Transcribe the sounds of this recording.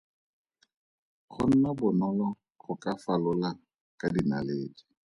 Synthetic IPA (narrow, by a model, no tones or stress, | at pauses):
χʊn̩nɔbʊnɔlɔ | χʊkʼafalʊlaŋ | kʼadinaleːd͡ʒi̥